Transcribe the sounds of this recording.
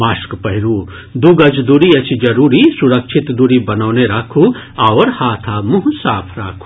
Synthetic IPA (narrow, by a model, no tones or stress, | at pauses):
maːskpɐɦɪɾuː | d̪uɡɐd͡ʒd̪uːɾiɐt͡ʃʰid͡ʒɐɾuːɾisuɾɐkʃʰɪt̪d̪uɾibɐnaːneɾakʰuawɾhaːt̪ʰamuɦsaːpʰɾaːkʰu̥